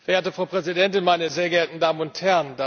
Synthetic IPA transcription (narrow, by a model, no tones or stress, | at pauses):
fɛɐʔeːɐtəfʁ̥ɑʊpʁ̥ɛzidɛntɪnmaɪnəzeːɐɡəeɐtn̩daːmənʊnthɛɐnd̥a